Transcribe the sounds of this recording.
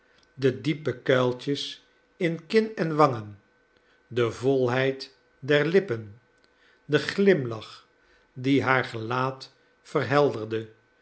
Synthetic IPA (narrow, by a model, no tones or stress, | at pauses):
dədipəkœɥlˠt͡ʃəs | ɪnkɪnɛnʋɑŋən | dəvolˠɦɛjt | dɛɹlɪpən | dəχlɪmlɑχ | diɦaːɹχəlaːt | fərɦɛlˠdərdə